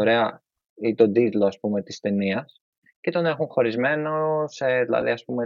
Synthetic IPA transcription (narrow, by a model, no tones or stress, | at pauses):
ɾe̞ɐ | it̪o̞d̪it̪lo̞ɐspume̞t̪ist̪e̞niɐs | ce̞t̪o̞ne̞xuŋxo̞ɾizme̞noseðilɐ̰ðḭɐspume